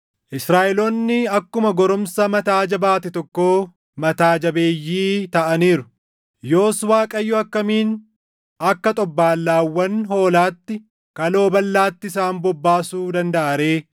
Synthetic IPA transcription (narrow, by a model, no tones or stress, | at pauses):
ʔɪsɾaːʔɛlonːɪɐkːʊmɐɡɔɾʊmsɐmɐt̪aːd͡ʒɐbaːt̪ɪt̪ɔkːoː | mɐt̪aːd͡ʒɐbeːjːiːt̪ɐʔɐniːɾʊ̥ | joːswaːkʼɐjːoɐkːɐmiːn | ɐkːɐt̪ʼɔbːaːlːaːwːɐnɦo̞ːlaːt̪ːɪ | kɐlo̞ːbɐlːaːt̪ːɪs̬aːmbɔbːaːsuːd̪ɐnd̪ɐʔɐɾeː